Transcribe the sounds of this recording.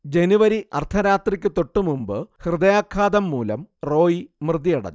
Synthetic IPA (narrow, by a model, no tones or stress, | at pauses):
d͡ʑe̞nuʋɐɾiɐ̰rt̪ʰɐɾaːt̪rikʲːɨt̪o̞ʈːumumbɨhrɨd̪ɐjaːkʰːaːd̪ɐmːuːlɐ̰mro̞ːjimrɨd̪ijɐɽɐ̰